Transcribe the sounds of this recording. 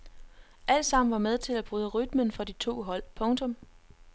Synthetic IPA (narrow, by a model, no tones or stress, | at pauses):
ʔæl̰d̥sɑ̈m̰n̩ʋɑ̈með̞ˠt͡sʰe̝læb̥ʁuːð̞ˠəʁyd̥̚mənfɒ̽d̥it͡sʰo̝̰ːɦɒ̽l̰pʰɔ̽ŋt͡sʰɔ̽m